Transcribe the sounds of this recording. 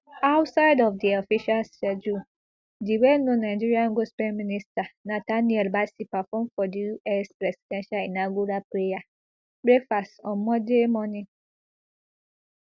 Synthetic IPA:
aʊtsaɪdɔfdiɔfiʃalstad͡ʒu | diwɛlnõnaɪd͡ʒiɾiãŋ̩ɡospamːĩnistanãtaniɛlbasipafɔmfɔdijuʔɛspɾɛsi̥dɛ̃nʃiainaɡuɾapɾeja | bɾɛkfastɔ̃mmɔ̃demɔ̃nɪ̃

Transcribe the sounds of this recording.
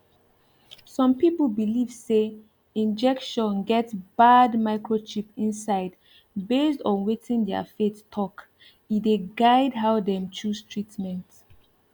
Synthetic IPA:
sɔ̃mpipəlbiliv̥se | ĩnd͡ʒɛkʃɔ̃nɡɛtb̥admaɪkɹot͡ʃipĩnsaɪd | bestɔ̃nwetʰĩŋdɛ̰fetʰɔk | ideɡaɪdɦaʊdɛ̃mt͡ʃustʰɹ̥itmɛ̃nt

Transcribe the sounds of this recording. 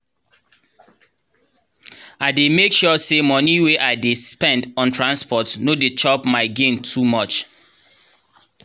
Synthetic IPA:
aɪdemekʃɔsemɔniweʔaɪdespɛ̃ndɔ̃ntɹãnspɔtnodet͡ʃɔpmaɪɡẽntʰumɔt͡ʃ

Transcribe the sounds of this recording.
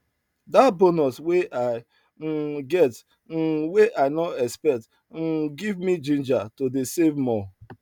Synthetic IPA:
datbonɔsweʔaɪ | n̩ɡɛt | n̩weʔaɪnɔtɛkspɛk̚t | n̩ɡivmid͡ʒĩnd͡ʒatodesevmɔ

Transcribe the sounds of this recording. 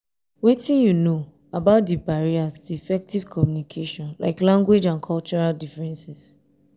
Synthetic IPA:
wetĩnjuno | abaʊt̚dibaɹiasdiifɛk̚tivkʰɔmjunikʰeʃɔ̃nla̰ɪklãŋɡwed͡ʒãnkʰɔlt͡ʃuɹaldifɹɛ̃nsɛs

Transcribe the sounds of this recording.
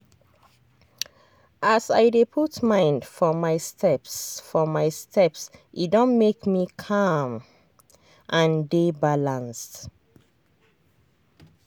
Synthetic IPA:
ʔasa̰ɪdepʰutmãɪ̃ndfɔmaɪstʰɛpsfɔmaɪstʰɛpsʔit̚dõnmekmikʰam | ʔãndebalãnst

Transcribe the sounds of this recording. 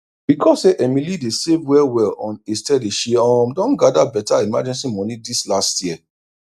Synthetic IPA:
bikʰɔseʔɛmilidesevwɛwɛlɔ̃nistɛdeʃiɔ̃mdɔ̃nɡadabɛtaima̰d͡ʒɛ̃nsimɔ̃nĩdislastjiɛ

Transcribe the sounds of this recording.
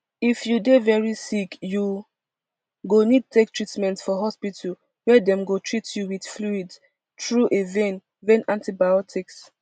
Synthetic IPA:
ifjudevɛɹisikju | ɡonid̚tek̚tɹitmɛ̃ntsfɔɦɔspitʰal | wɛdɛ̃mɡotʰɹitjuwid̥fluid | tɹuʔeven | vẽnãntibajɔtʰiks

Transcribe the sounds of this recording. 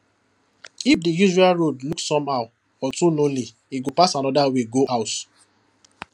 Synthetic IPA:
ifdijuzɹealɹodluksɔ̃maʊt | ɔtonõnli | iɡopasanɔdaweɡoʔaʊt

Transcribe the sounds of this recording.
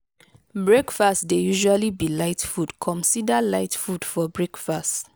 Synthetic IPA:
bɹekfastdejuʒualibilaɪtfudkʰɔ̃nsidalaɪtfudfɔbɹekfast

